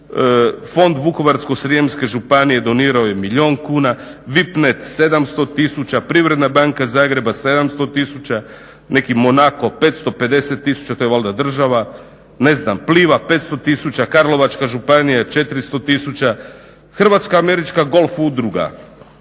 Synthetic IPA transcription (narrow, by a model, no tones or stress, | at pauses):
fo̞nd̪ʋuko̞ʋaɾskosɾiemske̞ʒupanije̞d̪o̞niːɾaoje̞miʎo̞ːnkuːnaʋipnet̪se̞d̪amst̪o̞t̪isut͡ɕapɾiʋɾe̞d̪nabaŋkazaːɡɾe̞base̞d̪amst̪o̞t̪isut͡ɕa | ne̞kimo̞nako̞pe̞ːt̪st̪o̞pe̞d̪e̞set̪ːisu̥t͡ɕat̪o̞jʋolˠd̪ad̪r̩ʒaʋa | ne̞znampliːʋape̞ːt̪st̪o̞t̪isut͡ɕakaɾlo̞ʋat͡ʃkaʒupanijat͡ʃe̞t̪iɾist̪o̞t̪isut͡ɕa | xr̩ʋat̪skaːme̞ɾit͡ʃkaɡo̞lˠfud̪ɾuɡa̰